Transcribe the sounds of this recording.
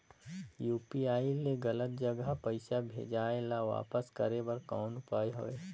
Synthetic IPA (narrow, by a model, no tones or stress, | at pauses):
juːpiaːileɡɐlət̪̚d͡ʒɐɡəɦpɐɪʃabʱḛːd͡ʒaːelaʋa̰ːpəskəɾebɐɾkɔːnʊpaːeɦoʋeː